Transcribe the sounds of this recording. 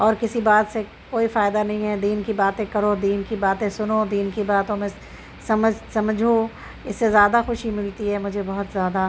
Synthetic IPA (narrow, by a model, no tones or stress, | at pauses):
ɔːɾkɪsibaːt̪se | koːifaːɪd̪anɐɦĩɦɛd̪iːnkibaːt̪ẽkɐɾod̪iːnkibaːt̪ẽsʊnod̪iːnkibaːt̪õmẽ | sɐməd͡ʒsɐmd͡ʒʱo | ɪsːezjaːd̪axʊʃimɪlt̪iɦɛmʊd͡ʒʱebɐɦʊt̪zjaːd̪a